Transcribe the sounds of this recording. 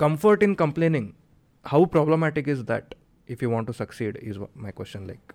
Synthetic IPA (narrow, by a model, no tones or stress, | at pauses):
kʌ̃mfəɾʈĩnkə̃mplẽːnĩŋ | haʊpɾɔbləmæʈikizd̪æ̰ʈ | ifjuʋɔ̃ːɳʈːusɐksiːɖizmaɪkʋḛst͡ʃə̃nla̰ɪk